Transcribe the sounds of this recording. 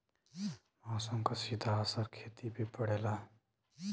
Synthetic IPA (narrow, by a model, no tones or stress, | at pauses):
maːsəmkasid̪ʱaːsəɾkʰeːt̪ibʱipəɽ̤eːla